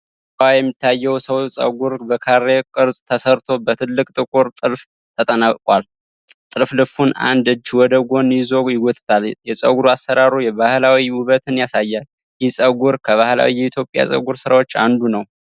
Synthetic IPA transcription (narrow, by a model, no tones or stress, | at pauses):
kʼajɛmːit̪ʰːajːɛwsəwsʼə̰ɡuɾbəkʰaɾːekʼɨɾzʼt̪ʰəsəɾt̪ʰo̞bət̪ʰɨlːɨkʼt̪ʼɨkʼuɾt̪ʼɨlf | t̪ʰət̪ʼənakʼkʼwal | t̪ʼɨlflɨfuna̰nd̪ɨd͡ʒːwɔd̪əɡo̞njɪzo̞jɪɡɔt̪ʰɨ̥t̪ʰaljɛsʼə̰ɡuɾuasːəɾaɾujɛβahlawiwuβət̪ʰɨnjasajːal | jɪhsʼəɡuɾkʰəβahla̰wijɛit̪ʰjo̞pʼja̰sʼə̰ɡuɾsɨɾawo̞t͡ʃːa̰nd̪unəw